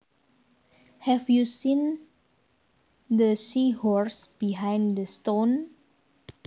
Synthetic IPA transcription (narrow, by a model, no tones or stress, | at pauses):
hɛfjusĩn | d̪əsihɔɹsb̥iɦãjndəst̪õn